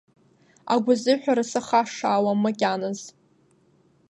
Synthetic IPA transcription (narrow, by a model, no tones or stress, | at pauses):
a̰ɡʷʊzɨħʷᶣaɾasaχaʂaːwamakʲʼanaz